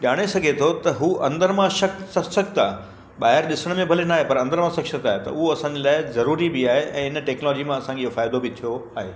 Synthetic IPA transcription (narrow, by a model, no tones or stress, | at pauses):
ʄaːɽ̃esɐɡʱet̪ʰot̪ɐɦuːʔɐ̃nd̪əɾmãʃɐk̚sɐksɐkt̪aː | ɓaːɦɪɾɗɪsəɽ̃mẽbʱɐlenaːɦepɐɾɐ̃nd̪əɾmãsɐksət̪aːɦet̪ɐ̰ʊɦoɐsãːɲd͡ʑelaːɪzɐɾuːɾibɪaːɦeʔɛ̃ːɪnəʈɛːknɔlɔːd͡ʑimãɐsãːɲd͡ʑeɦofaːɪd̪obɪt̪ʰijoaːɦeː